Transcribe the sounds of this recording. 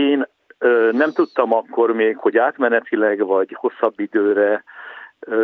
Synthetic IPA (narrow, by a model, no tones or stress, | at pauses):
eːn | ønɛmt̪ut̪ːɒmɒkːo̞rmeːkho̞ɟaːt̪mɛnɛt̪ʰilɛɡvɒɟho̞sːɒbːid̪øːɾɛ